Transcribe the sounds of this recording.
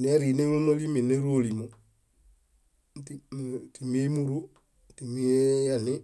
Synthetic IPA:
n˨a˦ɾi˨ne˦ŋ˦lu˦mo˦li˦mi˨ne˦ɾo˦˨li˨mo˨ | ti˦˨ti˨mi˦e˦mu˦ɾu˦ | ti˨mi˦e˦ja˦nɪ˦

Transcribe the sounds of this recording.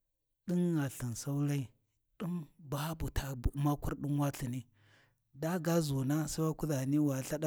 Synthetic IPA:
ɗi˦nːa˨ɬi˨nsa˦u˦la˦i˨ | ɗu˦mba˦bu˨tʰa˨˦ma˦ku˦ɾɗi˦nwa˦ɬi˨ni˦ | da˦ɡa˦zu˨na˦sa˦wa˦ku˦da˨ni˦wa˨ɬa˦ɗa˦

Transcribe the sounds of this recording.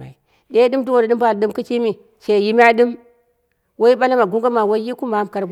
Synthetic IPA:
a̰˨i˨ | ɗe˦ɗɨ˦mdu˦wo˨da˨ɗɨ˦mba˨lɗɨ˦mku˦t͡ʃi˦mi˨ | ʃe˨ji˦mʲ˦a˦ɗɨ˦m | wo˦ji˦ɓa˦la˦ma˨ɡu˦ŋɡa˦ma˨wo˦ji˦ku˦ma˨˦mka˨ɾɡ

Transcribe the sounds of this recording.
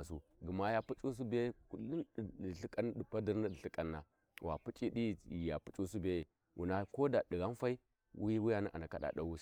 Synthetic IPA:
su˦ | ɡə˨ma˦ja˦pu˦t͡ʃʼu˦s̬u˦be˦jku˨li˦˨ɬi˦kʼa˦n˦ɗi˨pa˦di˦ɾni˦˨ɬi˦kʼa˦nːa˨˦ | wa̰˨pu˦t͡ʃʼi˦ɗi˦˨i˨ja˨pu˦t͡ʃʼu˦s̬u˦be˦je˨ | wʔṵ˨na˦ko˦da˨di˨ɣa˦n˦fa˦i˦ | wi˦wi˦ja˨ni˦ʔa̰˨na˨ka˦ɗa̰˨da˨wu˦s

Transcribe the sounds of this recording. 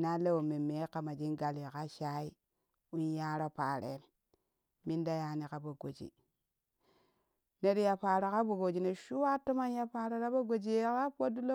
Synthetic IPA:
na˦le˦wo˨me˨me˨˦ka˨ma˨d͡ʒi˦nɡa˨li˨ka˦ʃa˦i˦ | u˦nja˦ɾo˦pa˨ɾḛ˨ | mi˦nda˦ja˨ni˨ka˦bo˨ɡo˨d͡ʒḭ˨ | ne˨ɾi˦ja˨pa˨ɾa˨ka˦bu˨ɡo˨d͡ʒi˨ne˨ʃu˦wa˦to˦ma˦nja˦pa˨ɾa˨ɾa˦bo˦ɡo˨d͡ʒi˦je˦ka˦po˦du˦lo˦

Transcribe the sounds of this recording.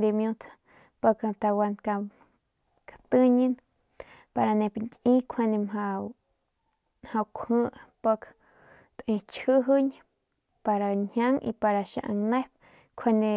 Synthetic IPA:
d̪e˧mjũ˧t̪ʰ | pa˧kt̪a˧wa˧nka˧m | kḁt̪ɨ˧ɲi˧n | pa˧ɾa˧nẽ˧pŋkʲʔĩ˦kʰe˧nd̪e˧mɦa˧ | mhã˧wkʷʰhɨ̃˦ʔpa˧k | t̪ʔẽ˧t͡ʃhɨ˦ɦɨ˦ɲ | pa˧ɾa˧˨ɲha˦ŋʔḭ˧pa˧ɾa˧ʃã̰˧ʔa˧ŋnẽ˦p̚ | kʰe˧nd̪ẽ˧

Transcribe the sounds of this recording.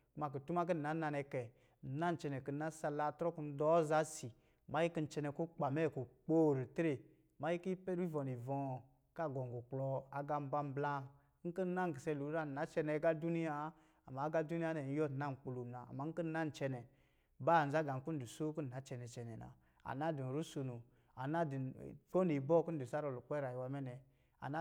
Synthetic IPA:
ku˦ma˨k̬ə˨tu˦ma˦k̬ə˦n̩˨a˨˦na˧nɛ˧kɛ˨ | na˦n˨t͡ʃɛ˧nɛ˨kə˨na˦sa˧la˧˨tɾɔ˦ku˧n̩˦dɔ˨˦za˨˦si˨ | ma˦ji˦ki˦n̩˦t͡ʃɛ˧nɛ˨ku˦k͡pa˨mɛ˦˨ku˨k͡po˦ɾi˨tɾe˨ | ma˦ji˦ki˦pɛ˦ɾi˦vɔ˨ni˨vɔ̃˨ | ka˦˨ɡɔ˨ŋ˨ɡo˨k͡plɔ˧a˨ɡa˧m˦ba˧m˦bla˦ | ŋ̩˦kə˦n˦na˦ŋ˨ɡi˨sɛ˧˨lu˨˦ɾa˦˨na˨˦t͡ʃɛ˧nɛ˨˦ɡa˦du˦ni˦ja˦ | a˨ma˨˦ɡa˦du˦ni˦a˦nɛ˨n˦jɔ˦˨tna˦˨ŋ˨k͡pu˨lu˨na˨a̰˨ma˨˦ŋ̩˦ə˦n˦a˦n̩˨t͡ʃɛ˧nɛ˨ | ba˦˨n̩˨za˦ɡa˨ŋ˦ku˦n̩˦du˨so˦ku˦n̩˨n˨a˨˦t͡ʃɛ˧nɛ˨t͡ʃɛ˨nɛ˨na̰˨ | a̰˨na˦di˨n˨ɾu˦so˧nu˨ | a˨na˦di˨fo˦ni˨bɔ˦ku˦n̩˦du˨sa˦ɾɔ˨lu˨k͡pɛ˦ɾa˨ji˨wa˧˦mɛ˦nɛ˨ | a̰˨na˦

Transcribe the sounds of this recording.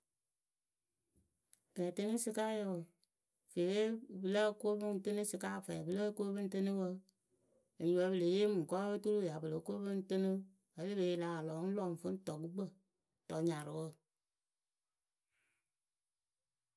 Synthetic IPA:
kɛ˨tɨ˦nɨ˦sɨ˧ka˦jə˨ | fe˨we˦bɨ˨lə˦ko˦bɨ˦ŋ˨tɨ˦nɨ˦sɨ˧kaː˦˨fɛ˨bɨ˦lə˦ko˦bɨ˦n˦tɨ˦nɨ˦wə˧ | ə˨ɲu˨wə˧˦bɨ˨le˨je˦mɨ˨kɔ˦ə˦tu˦lu˦˨ja˨bə˨lə˨˦ko˦bɨ˦n˦tɨ˦nɨ˦ | a˨˦le˦be˨˦la˨˦a˨lɔ˨˦ŋ˦lɔ˨ŋ˨fə˦n˦tɔ˨kɨ˦ɡ͡bə˦˨ | tɔ˨ɲa˨ɾɨ˨wə˦˨

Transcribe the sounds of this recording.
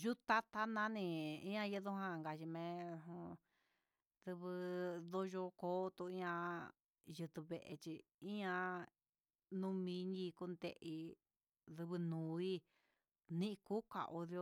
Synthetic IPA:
ʒu˦t̪a˦t̪a˦nã˦nĩ˧ḭ̃˦ã˧jɨ˧˦ðu˧ɦã˦˧˨ŋɡa˨ʃi˧mẽ˧ɦũ˧ | ðɨ˧βɨ˧ðo˧ʒo˧koː˦˧t̪u˧ĩ˦ã˧ | jɨ˧t̪u˧βe˧ʔḛ˧t͡ʃi˧i˦ã˧ | nũ˦˧mĩ˧˦ɲĩ˧ku˧nd̪ḛ˧ʔi˧ | ðɨ˧βɨ˧nũː˨˧i˦ | nĩ˦ʔĩ˧ku˦ka̰˧˨ʔo˧ðjo˧

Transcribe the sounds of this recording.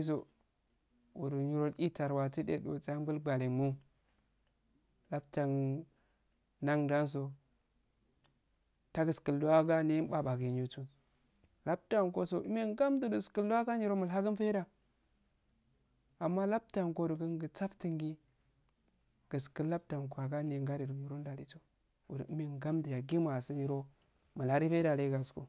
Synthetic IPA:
s̬o˨ | ṵ˨du˨ɲi˨ɾo˦li˦ta˨ɾwa˨ti˦dḛ˨ɗo̰˨t͡sa˦bu˦lɡ͡ba˨li˨mu˦ | la˦b̚ta˨n | na˦ŋda˦ns̬o˨ | ta˦ɡə˨skə˨lu˦wa˦ɡa˦ni˦ba˨ba˨ɡi˨ɲu˨tu˦ | la˦b̚ta˨ŋko˦so˨u˦me˦ŋɡa˦mdu˨du˨skə˦lu˦a˦ɡa˦ni˦ɾo˦mə˨lɦa˦ɡə˦n˦fe˦da˨ | a˨mːa˦la˦bta˨ŋko˦du˨ɡə˦ŋ˦ɡə˨t͡sa˦fti˨ŋɡi˦ | ɡ̥ə˨skə˦la˦b̚ta˨ŋko˨a˨ɡa˦ni˨ŋɡa˦ɾi˨du˨i˨ɾo˦n˦da˨li˨to˨ | ṵ˨də̰˨˦me˦ŋɡa˦mdə˨ja˨ɡi˦ma˨su˦ni˦ɾo˦ | mə˨lha˦ɾi˦fe˦da˨le˦ɡa˨skṵ˨

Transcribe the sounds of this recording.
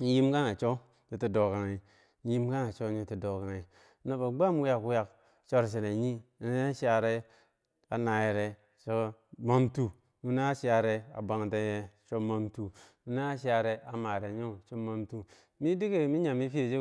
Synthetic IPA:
n̩˦ji˦mka˦ŋa˨t͡ʃo˦ | ɲu˨ti˨do˨ka˨ŋi˨˦ | ji˦mka˦ŋa˨t͡ʃo˦ɲo˦ti˨do˨ka˨ŋi˨˦ | no˨ba˨ɡ͡ba˦mu˦ja˨ku˦ja˨k | t͡ʃo˦ɾs̬e˨ɾe˨ɲi˦˨n˦ʃa˨ɾe˦ | a̰˨na˨je˨ɾe˨ | t͡ʃo˦ma˦mtu˨ | nu˦na˦ʃi˦a˨ɾe˨a̰˨ba˨ŋ˨te˦je˨t͡ʃo˦ma˦mtu˨ | u˨˦na˦ʃi˦a˨ɾe˨a˨ma˨ɾe˨ɲo˦˨t͡ʃo˦ma˦mtu˨ | mi˦di˦ke˨mi˦ɲa˨mi˦fi˦e˨d͡ʒe˦

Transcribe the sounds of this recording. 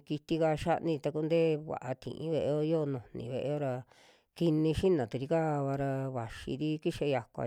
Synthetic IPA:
ki˧t̪i˦ka˧ʃa˦ʔnĩ˧t̪a˧ku˧nd̪eː˦βa̰˨ʔa˧t̪ḭ̃˨ʔḭ̃˧βe˧ʔe˧o˦˧jo˦˧nũ˨nḭ̃˨βe˧ʔe˧˦o˦ɾa˧ | ki˧nĩ˧ʃi˦nã˨t̪u˧ɾi˧ka˦˧βa˧ɾa˧βa˨ʃḭ˧ði˦ki˦ʃe˧ja˧kʷa̰˨

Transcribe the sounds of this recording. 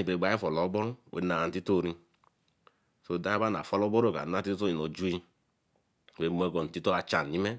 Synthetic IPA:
i˨be˨ɡ͡ba˨˦i˦fɔ˨lɔ˨˦bɔ˦ɾwʔḛ˨˦na˨n̩˨ti˦to˦˨ɾi˧ | so˨da˦i˦ba˦na̰˨fɔ˦lɔ˦bo˦ɾo˦˨ka̰˨na˦ti˦to˦i˨no˨d͡ʒu˦i˧˨ | e˨m˨˧ɛ˧˨ɡɔ˨n̩˨ti˦to˦a˧t͡ʃa˨n˨i˦me˦

